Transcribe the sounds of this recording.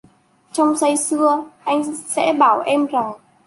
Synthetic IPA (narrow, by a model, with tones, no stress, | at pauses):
t͡ɕɔ˧wŋ͡msa˧jsɨ˧əʔa˧jŋ̟sɛ̰˧˥ɓaː˧˩wʔɛ˧mza˨˩ŋ